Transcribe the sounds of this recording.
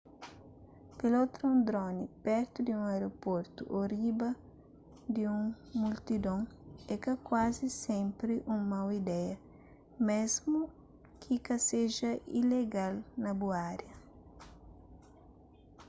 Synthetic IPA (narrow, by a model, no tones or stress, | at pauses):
pelot̪ɾɐũnd̪ɾonipɛɾt̪ʊd̪iũŋajɾopoɾt̪ʊ̰ʔoribɐ | d̪iũŋ | mult̪id̪õŋɛkɐkwazisɛ̃mpɾɪʔũŋmawid̪ɛjɐ | mezmʊ | kʰikɐseʒɐʔḭleɡalnɐbuaɾjɐ